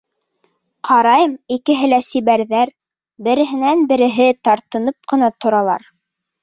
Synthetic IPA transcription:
qʰɑɾɑjɤmikɘ̆ɦɘlæsiβæɾðæɾ | bɘ̆ɾɘ̆ɦɘ̆nænbɘ̆ɾɘ̆ɦɘt̪ɑɾt̪ɤ̆nɤp̚qɤ̆nɑt̪ŏɾɑlˠɑ̰ɾ

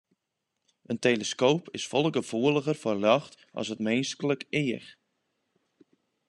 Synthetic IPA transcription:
ənteləskoːpʰɪsfɔlˠəɡəv̥uəlˠəɣərfɔrlɔxt | ʔɑ̰sətmeːnskələkɪəx

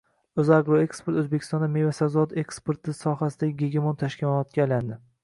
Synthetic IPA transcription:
ɵzaɡɾoekspoɾt̪ɵzbekʲʰɪ̥st̪ɒnd̪amevasazɒd̪ekspoɾt̪ɪsɒɦasɪd̪aɡʲɪɡʲeɡʲemont̪ʰaʃkʲɪmɒnɒt̪kʲaajland̪ɪ

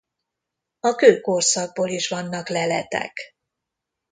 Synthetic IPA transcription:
ɒkøːkorsɒɡ̚boːliʃvɒnːɒklɛlɛt̪ɛ̰k

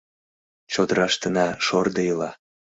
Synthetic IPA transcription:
t͡ɕod̪əɾɑʃt̪ənɑʃord̪əjəlɑ

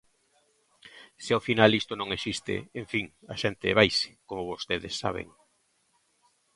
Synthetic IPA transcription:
sɪaofinalist̪onõŋesist̪ɪ̰eɱfiŋɐʃent̪ɪβajsɪ̥komoβost̪eðɪ̰sːa̰βḛŋ

